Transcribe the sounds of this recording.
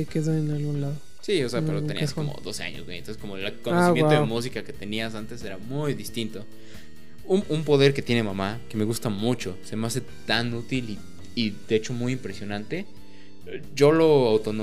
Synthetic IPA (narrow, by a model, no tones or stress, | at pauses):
ekeðoenalɣunlaðo | sioseapeɾotenḭskomo̰ðo̞̰sea̰ɲozwej̰ntonsesko̞molakonaosimmjeat̪oðemus̬ikaket̪e̞nias̬ant̪e̞se̞ɾamujðist̪int̪o̞ | unumpo̞ðe̞ɾke̞t̪je̞ne̞mamake̞me̞ɣust̪amut͡ʃo̞semeas̬e̞ | t̪anut̪ili | iðeet͡ʃo̞mujimpɾe̞sjo̞nãnt̪e̞ | ɟ͡ʝo̞lo̞awt̪ono